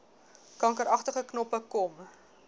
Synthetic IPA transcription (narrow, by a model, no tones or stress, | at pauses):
kɐŋkəɾɐχtəχəknɔpəkɔm